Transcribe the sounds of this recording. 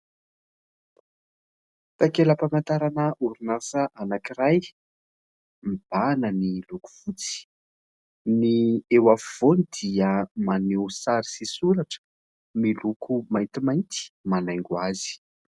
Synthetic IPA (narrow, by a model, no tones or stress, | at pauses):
t̪akeləpamant̪aɾanəʔuɾunasəʔanakiraj | mib̥anəniluku̥v̥ut͡si̥ | niewafuv̥onid̪iəmanewsaɾi̥sisuɾaʈ͡ʂə̥ | milukʰumajnt̪imajnt̪i̥manajŋɡuazi̥